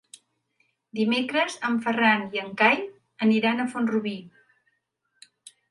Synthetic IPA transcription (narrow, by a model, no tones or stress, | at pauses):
d̪imekɾəzəɱfəraniəŋkaj | əniɾanəfonruβi